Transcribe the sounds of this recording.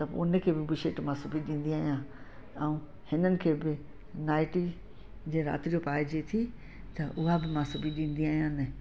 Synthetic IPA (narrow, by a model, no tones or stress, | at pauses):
t̪ɐ̰ʊ̰n̆kʰeːbɪbʊʃeːʈmãsɐbʱiɗĩːn̆d̪iaːɦijãːɛ̃ũ | hɪnənɪ̆kʰeːbɪ | naːɪʈi | d͡ʑeːɾa̰ːt̪ɾiopaːɪd͡ʑet̪ʰi | t̪ɐʔʊɦabɪmãsʊbʱiɗĩːn̆d̪iaːɦijãːnɛ